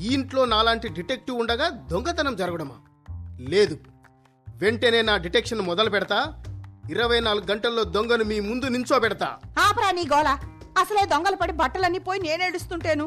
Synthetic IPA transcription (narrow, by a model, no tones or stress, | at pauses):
iːɳʈlo̞ːnaːlaːɳʈiɖiʈek̚ʈuuɳɖɐɡaːd̪oŋɡɐt̪ɐnɐmd͡ʒɐɾɐɡɐɽɐmɐ̰ | le̞ːd̪u | ʋe̞ɳʈeːne̞ːnaːɖiʈekʂɐnmɔd̪ɐlɐpɛɽɐt̪aːiɾɐʋɐjnaːluɡuɡɐɳʈɐlːo̞ːd̪oŋɡɐnumiːmund̪uniɲt͡ʃoːpɛɽɐt̪a̰ːaːpɐɾaːniːɡɔːlaɐsɐleːd̪ɔŋɡɐlɐpɐɽibɐʈːɐlɐnːipoːjineːneːɽust̪uɳʈeːnu